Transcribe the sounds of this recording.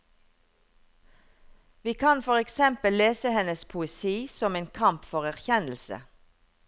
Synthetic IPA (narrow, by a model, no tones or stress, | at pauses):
ʋiːkʰɑnfɔʁɛksɛmpəlleːsəhɛnəspʰʊɛsiːsɔmeːnkʰɑmpfɔʁæʁçɛnlsə̰